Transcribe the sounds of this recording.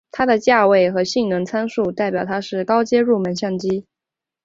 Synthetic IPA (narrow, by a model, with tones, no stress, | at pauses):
t̪ʰa˥d̪ə˨t͡ɕja˥˧we˥˩ɪxɤ˧˥ɕi˥˩ŋnɤ˧˥ŋt͡sʰa˥nʂu˥˧t̪a˥˩ɪpjɑ˨˩ʊt̪ʰa˥ʂɻ̩˥˩kɑ˥ʊt͡ɕjɛ˥ɻu˥˩mə˧˥nɕjɑ˥˩ŋt͡ɕi˥